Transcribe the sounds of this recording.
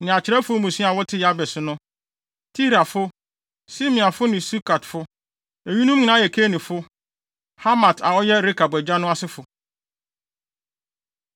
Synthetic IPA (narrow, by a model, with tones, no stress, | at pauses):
nɪ̃˨a˨t͡ɕʰɪ˨ɾɛ˦fʊ˦mũ˨sĩ˦a˨wɔ˦tʰɪ˦ja˦bɛ˨sʊ˦nʊ̃˦ | tʰi˦ɾa˨fʊ˦ | si˦mĩ˨a˨fʊ˦nɪ̃˨su˦kʰa˨tfʊ˦ | æ˨ɲũ˦nũ˦mɲĩ˨nã˨˦jɛ˨kʰe˦nĩ˨fʊ˦ | ha˦mã˨tʰa˨wɔ˦jɛ˦ɾi˦kʰa˨bæ˨d͡ʑa˦nʊ̃˦a˦sɪ˦fʊ˨